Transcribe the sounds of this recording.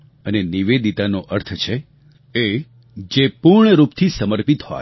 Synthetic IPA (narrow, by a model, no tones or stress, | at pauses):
əneniʋed̪it̪anoʔəɾt̪ʰət͡ʃʰe | e | d͡ʒepuɾɳəɾupt̪ʰisəməɾpit̪hɔ̰j